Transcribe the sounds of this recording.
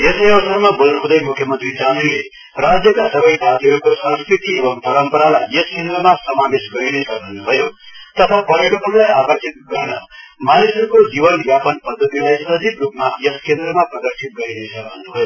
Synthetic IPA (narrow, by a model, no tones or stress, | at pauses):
jesjʌbʌsaɾmabolnukʰũd̪ʌjmukʰjʌmʌnt̪rid͡zaninle | rad͡zjʌkasʌbʌjsat̪ʰiɦʌɾukosʌ̃nskrit̪iebʌŋpʌɾʌmpʌɾalajʌskend̪ɾʌmasʌmabesɡʌɾinesʌkbʱʌnubʱʌjot̪ʌt̪ʰapʌɾikot̪ʌnlajabʌsʰit̪̚ɡʌɾnʌmanesʌɾukod͡zibʌnbjapʌnpʌd̪ʱːʌt̪ilajsʌd̪ʱikrupmajʌskend̪ɾʌmaprʌɡʌrsʰit̪̚ɡʌɾinesʰʌkbʱʌ̰nnubʌjo